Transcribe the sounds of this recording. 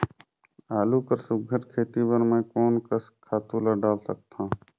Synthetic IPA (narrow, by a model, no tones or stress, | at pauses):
aːlukəɾsʊɡʱəʈkʰeːt̪ibəɾmẽkoːnkəskʰaːt̪ũləɖaːlsək̚t̪ãː